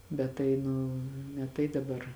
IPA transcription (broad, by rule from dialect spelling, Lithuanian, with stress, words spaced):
ˈbʲɛt tɐɪ ˈnʊ nʲɛ ˈtɐɪ dɐˈbɐr